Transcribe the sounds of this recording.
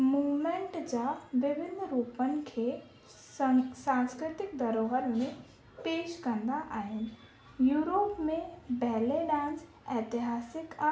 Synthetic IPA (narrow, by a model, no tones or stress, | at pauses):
muːʋmẽɳʈd͡ʑaʋɪbʱɪnʱɾupənɪ̆kʰe | sãnskɾɪt̪ɪk̚d̪ɐɾoːɦəɾmẽ | peːʃkɐ̃nd̪aʔaːɦɪnɪ̆ | juːɾoːpmẽbɛɦleɖãːns | ɛːt̪ɪɦaːsɪka